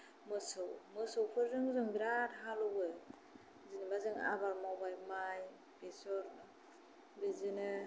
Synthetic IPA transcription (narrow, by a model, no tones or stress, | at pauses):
mɯsɯwmɯsɯwpʰɯɾzɯŋzɔŋɡɾatɦalɔɡɯ | zinɯbazɯŋa̰baɾmɔbajmaj | pesɔɾ | bizinɯ